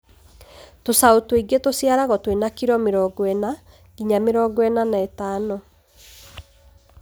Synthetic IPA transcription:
tosaotweiɣɡetosjaɾaɣɔtwenakiɾɔmeɾɔɡwɛna | ɡiɲameɾɔɡwɛnanaetanɔ

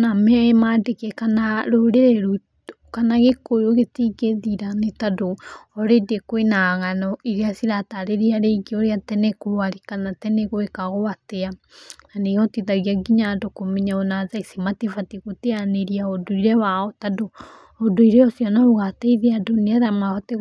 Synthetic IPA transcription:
namɛaemadekekanaɾoɾeɾeɾu | kanaɣekojoɣetiɡeðiɾanetadoɔɾedekoenaɣanɔiɾeasiɾataɾeɾeaɾeiɡeoɾeatɛnɛkoɾaɾikanatɛneɣoekaɣoateananeɔtiðaɣiaɡiɲadokomiɲaɔnaðaisimatefatiɣoteaneɾiaɔdoiɾɛwaɔtado | ɔdoiɾeɔsiɔnaoɣateiðeadoneaðamaɔte

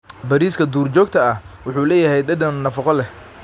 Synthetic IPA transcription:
bɐɾiːskʰɐd̪uːrt͡ʃɔːɡ̚t̪ʰɐɐhwʊħuːlɛːjɐɦɛjɖɐɖɐnːɐfɑqɔlɛh

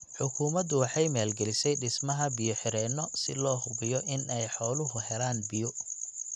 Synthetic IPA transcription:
ħʊkʰuːmɐd̪ʊwɑħɑjmaːlɡɛlɪsɛjɖɪsmɐɦɐbɪjɔħɪɾɛːnːɔsɪ̰lɔːhʊɡɪjɔʔɪnɛjħɔːlʊɦʊɦɛlaːnbɪjʊ

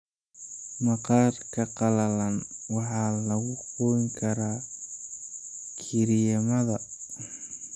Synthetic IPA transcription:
mɐqɑːrkʰɐqɑlɐlɐnwɑħɑːlɐɣʊqɔŋkʰɐɾaː | kʰɪɾɪjɐmɐðɐ

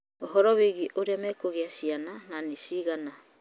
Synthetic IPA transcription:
ɔɦɔɾɔβiɡiʔoɾiamakoɡiasianananisiɡana

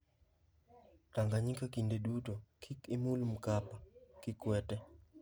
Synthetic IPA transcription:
taŋɡaɲikakindedutokʰikɪmulm̩kapakɪkwɛtɛ

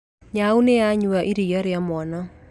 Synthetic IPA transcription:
ɲaunejaɲuaʔiɾijaɾeamwɔna

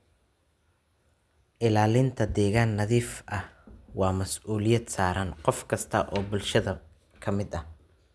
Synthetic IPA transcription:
ʔɪlaːlɪnt̪ʰɐd̪ɛːɣaːnːɐðiːfʔɐhwɑːmɐsʔuːlɪjɐd̪saːɾɐnqɔfkʰɐst̪ʰɐʔɔːbʊlʃɐðɐ | kʰɐmɪd̪ɐh

